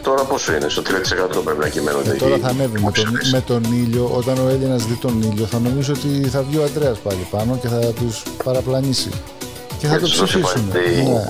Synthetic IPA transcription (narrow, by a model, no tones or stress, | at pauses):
t̪o̞ɾɐposinest̪ot̪ɾiɐt̪i̥sekɐt̪oopɾepinɐcimḛnoeḛt̪o̞ɾɐθɐne̞vimet̪onime̞t̪o̞niʎo̞ʔo̞t̪ɐno̞e̞ʎinɐzðit̪o̞niʎo̞θɐno̞mis̬oot̪iθɐvʝioɐnd̪ɾe̞ɐspɐlipɐno̞ce̞θɐt̪uspɐɾɐplɐnisḭ | ceθɐt̪opsisfisumeie